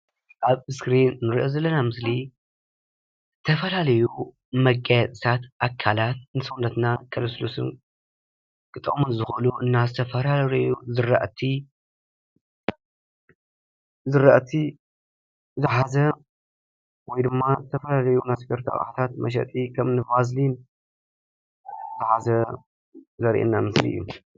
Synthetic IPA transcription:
ʔaβɨskɾinːɨɾiʔozɐlːɐnamɨsli | zɨt̪ʰɐfɐlalɐju | mɐɡʼajat̪ʼɨt̪ʰat̪ʔakʰːalat̪̚nɨsɨwndɐt̪nakʰɐloslosɨ̰n | kʰʼɨt̪ʼɨ̰χʼmunzɨxʔɨluʔɨnːazɨt̪ʰɐfɐlalɐjuzɨɾa̰ʔt̪ʰi | zɨɾɐʔt̪ʰi | zɨħazɐ | wɔjd̪ɨmːazɨt̪ʰɐfɐlalɐjunaskɐɾt̪ʰɐ̰χʼħt̪ʰat̪mɐʃ̬ɐ̰t̪ʼikʰɐmnɨbazlin | t̪ʰɨħazɐ | zɐɾʔḛnːamɨslḭʔɨ̰jːṵ

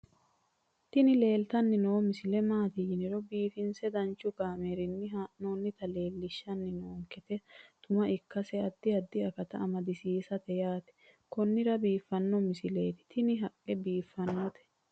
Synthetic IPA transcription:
t̪ɪnɪle̞ːlt̪ɐnːɪnoːmɪsɪlɛmaːt̪ɪjɪnɪɾɔbiːfɪnsɛd̪ɐnt͡ʃːʊɡaːmeɾɪnːɪɦanoːnːɪt̪ɐle̞ːlːɪʃːɐnːɪnoːŋkɛt̪ɛt̪ʊmɐʔɪkːɐsɛɐd̪ːɪɐd̪ːɪɐkɐt̪ɐɐmɐd̪ɪsiːsɐt̪ɛjaːt̪ɛ̥ | kɔnːɪɾɐbiːfːɐnːɔmɪsɪle̞ːt̪ɪ̥t̪ɪnɪɦɐkʼːɛbiːfːɐnːɔt̪ɛ̥

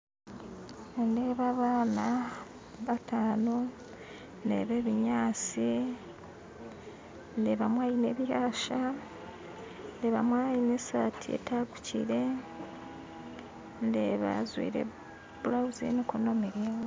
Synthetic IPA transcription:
nde̞ːβaβaːna | βatʰaːno | nde̞̰ːβe̞ːβiɲaːt͡si | ndeβamwaːjine̞ːβihaːʃa | ndeβa̰mwaːjinesa̰tʰie̞̰taɡucḭɾe̞ | ndeβa̰zwḭːɾḛ | bulawuzḭnikunomiɾewo

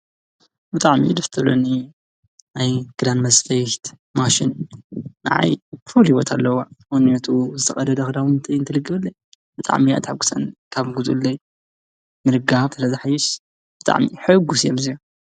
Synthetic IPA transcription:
bɨt̪ʼaʕmḭd̪ɐft̪ʰɐlo̰ni | najɡ̥ɨd̪anmɐzfɐjt̪ | maʃɪnː | a̰ʕa̰jfulhiwot̪ʰalːɐwaʔonɐt̪ʰuzɨt̪ʰɐxʼɐd̪ɐd̪ɐxd̪awnt̪ʰɐjɨnt̪ʰɨlɨɡːɐɨlːɐj | b̥ɨt̪ʼa̰ʕmia̰t̪ʰʼħɨɡu̥sɐnkʰaβɡuzṵlːɐj | mɨlɨɡaβsɨlɐzħajːɪʃ | b̥ɨt̪ʼa̰ʕmiħɨɡusjomzijo

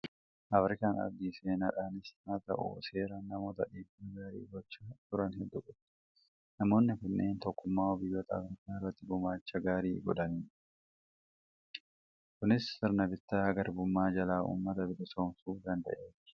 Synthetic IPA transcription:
ʔɐfɾɪkaːnɐ̰bd̪iːseːnɐᶑaːnɪsnaːt̪ɐ̰ʔṵse̞ːɾɐnːɐmo̞ːt̪ɐᶑiːbɐɡaːɾḭːɡɔt͡ʃːat̪ʊɾɐnhɛd̪ːʊkʊt̪ː | nɐmo̞ːnːɪfɛnːḛːnt̪ɔkːʊmːaːɔbɪjːot̪ɐːfɾɪkaːrːɐt̪ːɪɡʊmaːt͡ʃːɐɡaːɾiːɡɔᶑ̪ɐniːᶑ | kʊnɪst̪ɪɾnɐbɪt̪ːaːɡɐɾbʊmːaːd͡ʒɐlaːʔṵːmːɐt̪ɐbɪlɪsoːmsuːd̪ɐnd̪ɐ̰ʔe̞ːf

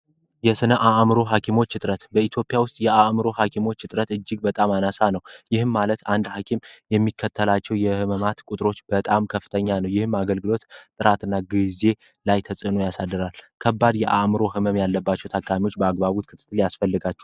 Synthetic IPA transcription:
jɛsɨnəʔaʔmɾo̞ɦakʰimo̞t͡ʃːɨt̪ʼɾət̪bəit̪ʰjo̞pʼijawʊst̪ʼjɛʔaʔmɨɾo̞hakʰimo̞t͡ʃːɨt̪ʼɾət̪ɨd͡ʒːɪɡbət̪ʼamanasanəwjɪhɨmmːalət̪and̪hakʰimjɛmːikʰːət̪ʰːəlat͡ʃːɛwjɛhɨməmat̪kʷʼʊt̪ʼɾo̞t͡ʃːbət̪ʼamkʰəfːɨt̪ʰəɲːanəwjɪhɨmːaɡəlɡɨlo̞t̪t̪ʼɨɾat̪ɨnːaɡize̞ | lajt̪ʰəsʼɨnujasad̪ːɨɾalkʰəbːad̪jɛʔa̰ʔmɨɾo̞hɨməmjalːəbːat͡ʃːɛwt̪ʰakʼːamiwo̞t͡ʃːbəaɡbaβut̪kʰɨt̪ʰːɨ̥t̪ːɨljasfəlːɨɡat͡ʃːɛ

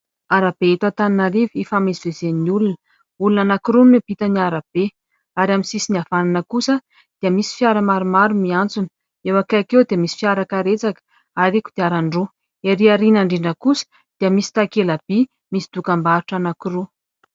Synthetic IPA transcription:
aɾab̥eet̪at̪aninaɾivifamisivezennulun | ulunanakɾuneb̥it̪aniaɾab̥e | aɾʲaminsisiniav̥ananəkusə | d̪̥iəmisi̥fjaɾəmaɾumaɾumiant͡sunə̥ | ewakakewd̪eəmisi̥fjaɾakaɾet͡sakə̥ | aɾeku̥d̪̥eaɾaɳɖ͡ʐu | eɾiaɾinaɳɖ͡ʐiɳɖ͡ʐəkusə̥ | d̪̥iəmisi̥t̪akelab̥i | misi̥d̪̥ukambaɾuʈ͡ʂanakuɾu

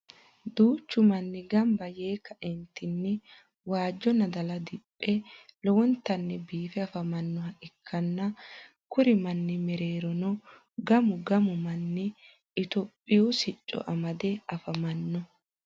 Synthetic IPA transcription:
d̪uːt͡ʃːʊmɐnːɪɡɐmbɐjeːkɐʔɛnt̪ɪnːɪ | waːd͡ʒːɔnɐd̪ɐlɐd̪ɪpʼːɛlɔwɔnt̪ɐnːɪbiːfɛɐfɐmɐnːɔhɐʔɪkʰːɐnːɐ | kʊɾɪmɐnːɪmɛɾeːɾɔnɔ | ɡɐmʊɡɐmʊmɐnːɪ | ɪt̪ɔpʼːɪjuːsɪt͡ʃʼːɔ̰ʔɐmɐd̪ɛɐfɐmɐnːɔ

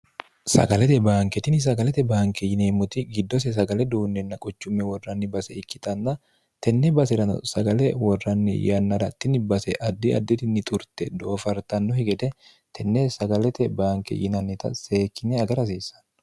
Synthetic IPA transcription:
sɐ̰ɡɐlɛt̪ɛbaːŋkɛt̪ɪnɪs̬ɐɡɐlɛt̪ɛbaːŋkɛjɪneːmːʊt̪ɪɡɪd̪ːɔs̬ɛs̬ɐɡɐlɛd̪uːnːɛnːɐkʼɔt͡ʃːʊmːɛwɔrːɐnːɪbɐsɛɪkːɪ̥t̪ʼɐnːɐ | t̪ɛnːɛbɐs̬ɛɾɐn̰sɐɡɐlɛwɔrːɐnːɪ̰jɐnːɐɾɐt̪ːɪnɪbɐsɛʔɐd̪ːɪɐ̰d̪ːɪt̪ɪnːɪt̪ʼʊɾt̪ɛd̪oːfɐɾt̪ɐnːɔhɪɡɛd̪ɛ | t̪ʰɛnːɛsɐɡɐlɛt̪ɛbaːŋkɛ̰jɪnɐnːɪt̪ɐ̰seːkːɪnɛɐɡɐɾɐs̬iːsɐ̥n

